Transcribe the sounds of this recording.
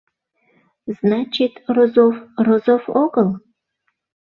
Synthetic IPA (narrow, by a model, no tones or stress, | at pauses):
znɑt͡ɕit̪rozofrozofoɡəlˠ